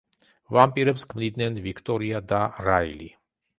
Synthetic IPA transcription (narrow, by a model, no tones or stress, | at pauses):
vampʼiɾɛpskʰmnid̪nɛnvikʰt̪ʼɔɾiad̪aɾailḭ